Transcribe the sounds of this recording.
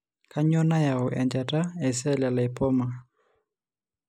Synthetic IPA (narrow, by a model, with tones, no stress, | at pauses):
kʰa˦ɲɔ˦na˦ja˨ɔ˨ʔɛ˨nd͡ʒa˨ta˦ɛ˨s̬ɛ˦˨la˨la˨e˨pɔ˦ma˨